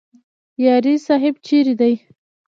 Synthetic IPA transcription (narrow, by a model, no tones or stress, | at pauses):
jɑɾisɑɦɪbt͡ʃeɾid̪aj